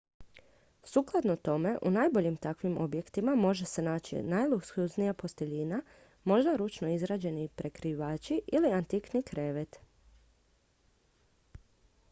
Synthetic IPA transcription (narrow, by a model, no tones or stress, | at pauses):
suklˠad̪not̪o̞me̞ʔṵnaːjbo̞ʎimt̪akʋimo̞bje̞kt̪imamo̞ʒe̞se̞naːt͡ɕḭnajlˠuksuznijapo̞st̪e̞ʎina | mo̞ʒd̪aɾut͡ʃno̞izɾaːd͡ʑe̞nipɾe̞kɾiʋaːt͡ʃiʔiliant̪iknikɾe̞ʋet̪